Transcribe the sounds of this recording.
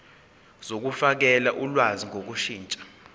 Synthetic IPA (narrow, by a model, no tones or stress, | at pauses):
z̥ok̬ufak̬ɛlaʔulwaziŋʱok̬uʃiːnt͡ʃʼḁ